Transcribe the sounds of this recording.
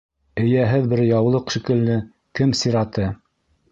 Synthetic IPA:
ɘ̆jæɦɘðbɘɾjɑwlˠɤqʃĭkɘ̆lːɘ | kɘmsiɾɑt̪ɤ

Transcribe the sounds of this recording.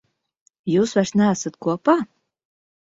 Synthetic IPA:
juːsvaɾsnʲæːsat̪kuɔpaː

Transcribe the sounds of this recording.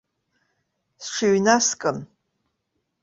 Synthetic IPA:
sʈ͡ʂʰiɥnaskʼɨm

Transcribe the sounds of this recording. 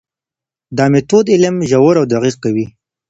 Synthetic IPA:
d̪ɑmet̪od̪ɪləmʒawəɾawd̪aqiq̚kawi

